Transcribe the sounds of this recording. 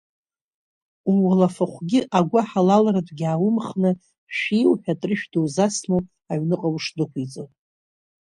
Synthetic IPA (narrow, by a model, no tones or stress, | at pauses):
umalafaχʷɡʲɪʔaɡʷaħalalɾatʰʼɡʲaːwʊmχnɨ | ʃijwħᶣatʼrɨʃᶣdowzasmow | aʕɥnɨqʼawʂdɨkʷʰit͡sʼowtʼ